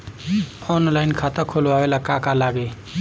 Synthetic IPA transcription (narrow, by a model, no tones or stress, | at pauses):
ɔnlajnkʰat̪əkʰolawelakakalaɡe